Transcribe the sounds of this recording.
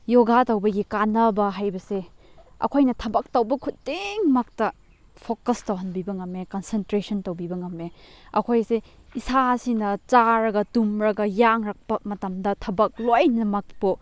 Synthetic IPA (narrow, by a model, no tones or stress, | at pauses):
joɡatɐwbɐɡikanɐbɐɦajbɐse | ɐ̰kʰojnɐtʰɐbɐk̚tɐwbɐkʰut̚deŋmak̚tɐ | pʰokɐstɐwɦɐnbibɐŋɐmːekɐnsentɾesɐntɐwbibɐŋɐmːeɐ̰kʰojse | isasinɐt͡ʃaɾɐɡɐtumɾɐɡɐjaŋɾak̚pɐmɐtɐmdɐtʰɐbɐk̚lojnɐmɐk̚pu